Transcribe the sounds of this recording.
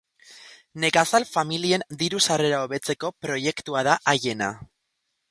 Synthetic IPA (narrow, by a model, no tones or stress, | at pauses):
ne̞kasalfamilie̞nd̪iɾusare̞ɾao̞βe̞t͡se̞ko̞pɾo̞je̞kt̪uaðaʔaje̞na̰